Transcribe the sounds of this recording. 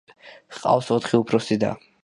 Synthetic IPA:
qʼa̰fsɔt̪ʰχiupʰɾɔsid̪a̰

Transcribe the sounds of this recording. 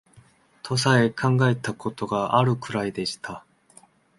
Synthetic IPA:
t̪ʰo̞sae̞kʰãŋɡae̞t̪akʰo̞t̪o̞ɡaʔaɾɯ̟kɯ̟ɾaid̪e̞ɕi̥t̪ʰa

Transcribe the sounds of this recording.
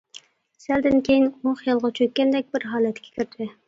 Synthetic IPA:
sæld̪ɪnkʲʰejinoχjɑlˠʁɑt͡ʃʰøkʲːɛnd̪ɛk̚ʲbɪɾɦɑːlˠɛt̪kʲɛ̥kʲʰyɾt̪ʰɪ

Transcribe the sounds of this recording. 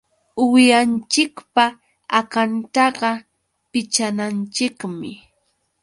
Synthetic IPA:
ʊjant͡ʃɪkpa | akant̪ɑɢɑ | pɪt͡ʃanant͡ʃɪkmɪ

